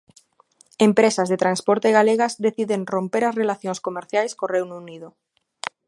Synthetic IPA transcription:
empɾesazðet̪ɾanspoɾt̪eɣaleɣazðeθiðeŋrompeɾasrelaθjonskomeɾθjajskorewnuniðo

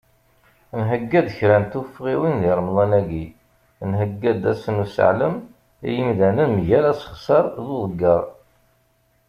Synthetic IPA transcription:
nɦəɡːæd̪əçɾænt̪ufəʁiwinðiɾˤəmlˤɑnæɡi | nɦəɡːæd̪æsənusə̰ʕləm | ḭjəmðænənmʝælæsə̥χsɑɾˤðuðˤəɡːɑɾˤ

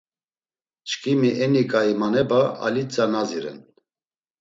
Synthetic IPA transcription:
t͡ʃkʰʼimiʔɛnikʼaimanɛbaa̰lit͡sʼanaziɾɛ̰n

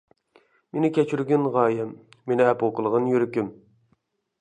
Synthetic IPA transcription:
menɪkʲʰɛt͡ʃʰyɾɡʲɪnʁɑːjɛmːenɪɛpoqəlˠəʁənjyɾykʲym

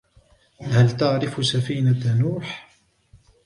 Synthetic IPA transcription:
halt̪ɑʕɾɪfsafiːnanuːħ

